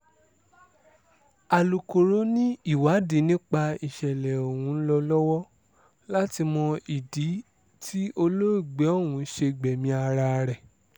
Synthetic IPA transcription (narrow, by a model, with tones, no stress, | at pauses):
a˨lu˨ko˨ɾo˦nĩ˦i˦˨wa˨˦di˨˦nĩ˦k͡pa˧i˨ʃɛ˨lɛ˨o˨wũ˨˦lɔ˧lɔ˦wɔ˦ | la˦ti˧mɔ̃˧i˨di˨˦ | tʰi˦o˧lo˦i˦˨ɡ͡bɛ˨˦o˦˨wũ˨˦ʃe˧ɡ͡bɛ˨mĩ˧a˧ɾa˧ɾɛ˨